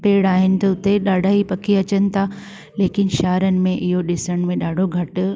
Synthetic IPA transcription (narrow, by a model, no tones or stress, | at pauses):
peːɽaːɦɪnɪ̆t̪ɐʊt̪eɗaːɖʱaːɦipɐkʰiɐt͡ɕənɪ̆t̪ʰa | leːkɪnɪ̆ʃaːɾənɪ̆mẽʔɪɦoɗɪsəɽ̃mẽɗaːɖʱoɡʱɐʈʊ̆